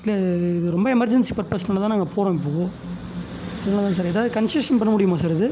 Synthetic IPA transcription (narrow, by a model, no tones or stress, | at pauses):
ɪlːɐɪðɯɾɔmbɐɛmɐɾd͡ʒɐnsipɐɾpɐsnɐlːt̪ãːnaːŋɡɐpʰoːɾõɪp̬ːoːɣõː | ɐðɐnːt̪ãːs̬aːɾɛðaːðɯkɐnseʂɐnpɐɳːɐmʊɽɪjɯmaːsaːɾɪðɯ